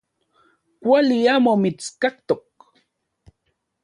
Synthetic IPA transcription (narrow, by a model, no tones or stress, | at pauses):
kʷaliamomit͡skak̚t̪ok̚